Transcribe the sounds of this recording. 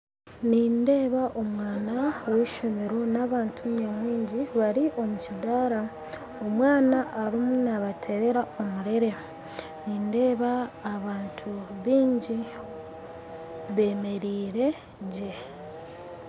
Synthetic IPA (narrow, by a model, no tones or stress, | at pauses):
niːnde̞ːβaʔo̞mwaːnaweʃomeɾo̞naːβaːntʰuɲomwiːɲɟiβaɾiʔo̞mucidaɾa | omwaːnaʔːɾimunaβatʰe̞ɾe̞ɾao̞muɾe̞ɾe̞ | niːnde̞ːβaːβaːntʰuβiːɲɟi | βe̞me̞ɾiːɾe̞ | ɟe